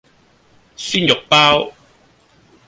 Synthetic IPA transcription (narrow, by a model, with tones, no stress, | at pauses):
syː˥njʊ˨˩k̚paː˥w